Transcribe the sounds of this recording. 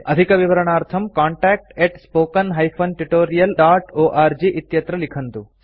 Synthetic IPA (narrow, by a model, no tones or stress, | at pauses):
ɐd̪ʱikɐʋiʋɐɾɐɳaːɾt̪ʰɐmkaːɳʈaːk̚ʈeʈspoːkɐnɦɐjpʰɐnʈiʈoːɾijɐlɖaːʈoːʔaːɾd͡ʒiʔit̪jɐt̪ɾɐlikʰɐnt̪u